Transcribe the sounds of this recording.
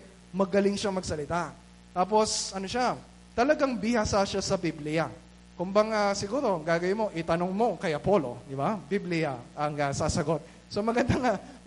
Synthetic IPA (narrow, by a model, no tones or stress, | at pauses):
mɐɡɐlɪŋʃaŋmɐɡ̚sɐlɪt̪a | t̪aːp̬o̞sɐnoʃa | t̪ɐlɐɡaŋbɪhasaʃasɐbiblɪja | kʊmbɐŋasɪɡuːɾo̞ɡaːɡɐwɪmo̞ʔɪt̪ɐnoŋmo̞kɐjɐpo̞lo̞̰d̪ɪbabiblɪjaɐŋɐsaːsɐɡo̞t̪̚ | somɐɡɐnd̪aŋa